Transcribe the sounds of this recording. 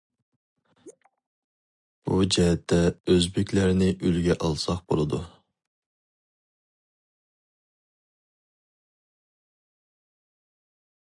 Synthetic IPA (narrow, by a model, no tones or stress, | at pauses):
b̥ud͡ʒɛɦɛt̪ʰːɛøzbɪkʲlæɾnɪʔylɡʲɛʔɑlˠsɑqbo̰lˠɨd̪u